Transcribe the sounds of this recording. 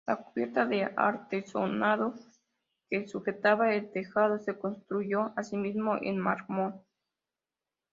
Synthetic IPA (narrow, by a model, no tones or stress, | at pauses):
lakuβjeɾt̪aðea̰ɾt̪eso̰naðo | kesuxet̪aβaelt̪exað̞ose̞konst̪ɾuʝoasimizmoʔḛnmaɾmon